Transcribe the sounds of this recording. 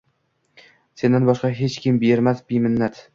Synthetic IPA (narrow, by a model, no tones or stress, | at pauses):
se̞nd̪anbɒʃqɑɦet͡ʃkʲʰɪmbeɾmasbijmɪnːat̪